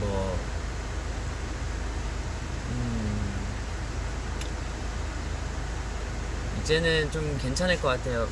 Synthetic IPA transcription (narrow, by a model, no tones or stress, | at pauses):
ʌ | ɯ | id͡ʑe̞nɯnt͡ɕomke̞nt͡ɕʰanɦek͈ʌk͈atʰe̞jo